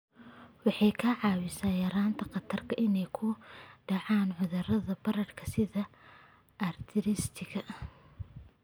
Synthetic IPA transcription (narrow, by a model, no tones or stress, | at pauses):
wɑħɑjkʰɐʕɑːwɪsaːjɐɾaːnt̪ʰɐqɑt̪ʰɐrkʰɐʔɪnɛjkʰʊɖɑʕɑːnʕʊðɐrɐðɐbɐɾɐrkʰɐsɪðɐ | ʔɐrt̪ʰɪɾɪst̪ʰɪɣɐʔ